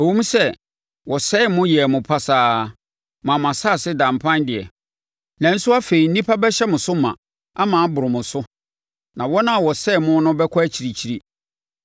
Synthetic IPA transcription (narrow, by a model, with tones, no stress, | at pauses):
o˨wũ˦m˦sɛ˦ | wʔɔ˨sɛ˦˨mʊ̃˦jɛ˨mʊ̃˨pʰa˦saː˨ | mã˨mã˨sa˦˨sɪ˦dã˨mpʰã˦ndɪ˨ɛ̰˨ | nã˨˦n̩˦sʊ˦a˦fe˨i˨n̩˦nĩ˦pʰa˦bɛ˦ɕɛ˦mʊ̃˨sʊ˦mã̰˨ | a˦mã˨˦bʊ˨ɾɪ˨mʊ̃˨sʊ˦ | nã˨wɔ˦nã˦˨wɔ˨sɛ˦˨mʊ̃˦nʊ̃˦bɛ˦kʰɔ˦æ˦t͡ɕʰi˨ɾi˨t͡ɕʰi˦ɾi˦